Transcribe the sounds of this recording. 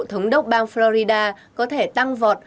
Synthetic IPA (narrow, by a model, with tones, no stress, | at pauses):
t̪ʰə˨˦wŋ͡mɗə˦˥wk͡p̚ɓaː˧ŋflɔ˧ɾi˧ɗaː˧ | kɔ˨˦t̪ʰe˧˩t̪a˧ŋvɔ˨˩t̚